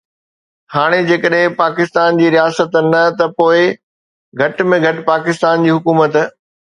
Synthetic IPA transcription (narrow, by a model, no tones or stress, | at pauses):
haːɽ̃ed͡ʑeːkəɗɦɪ̃paːkɪst̪aːnd͡ʑiːɾijaːsət̪nɐt̪ɐpoːɪ | ɡʱɐʈmẽɡʱɐʈ̆paːkɪst̪aːnd͡ʑiːɦʊkuːmət̪